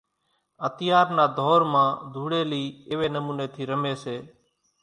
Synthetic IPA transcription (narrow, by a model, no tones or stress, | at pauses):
ət̪ɪjaːɾnaːd̪ʱoːɾmãːd̪ʱuːɽeːliːɪʋeːnəmuːneːt̪ʰiːɾəmeːseː